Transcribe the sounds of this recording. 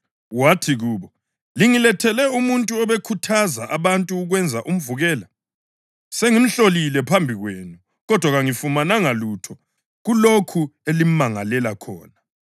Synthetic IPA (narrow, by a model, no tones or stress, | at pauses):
watʰiɣuːβɔ | liŋilɛtʰɛlɛumuntʼuɔβekʰutʰazaʔaβantʼuːɣwɛnd͡zʱaʔum̩vuɣɛːla | seŋim̩ɬolilɛpʰambʱiɣweːnu | ɣɔd̥ʱwaɣaŋifumanaŋalutʰɔ | ɣulokʰuelim̩maŋalɛlakʰɔ̰ːna